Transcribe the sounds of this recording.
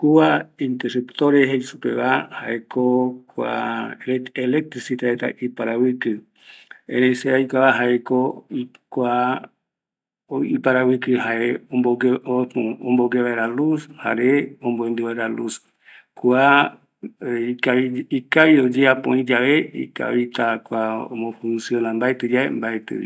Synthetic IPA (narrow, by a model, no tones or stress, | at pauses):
kuaĩnt̪eɾupt̪oɾeɦejsupḛβaha̰ekokua̰ | elek̚t̪ɾisit̪aɾet̪a̰ʔipaɾawɨkɨ | ẽneseajkʷaβaɦaekoikʷa | ipaɾawɨkɨɦaeooɡ | omboɡeβaeɾalusha̰ɾeomboend̪uβaeɾalus | kua | iikaβiod͡ʒeapõĩd͡ʒaʋeḭka̰βit̪akwao̰mõfũnsjonambaet̪ɨd͡ʒaḛmbaet̪ɨ̰ḭ